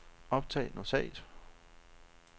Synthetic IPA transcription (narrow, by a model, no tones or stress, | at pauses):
ɒ̽b̥̚t͡sʰɛ̰ːnosɛ̰ɪd̥